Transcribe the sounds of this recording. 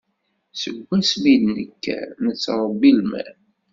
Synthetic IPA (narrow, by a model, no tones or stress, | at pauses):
səɡʷːæsmid̪nəkːæ̰nət͡sːɾˤəbːilmæ̰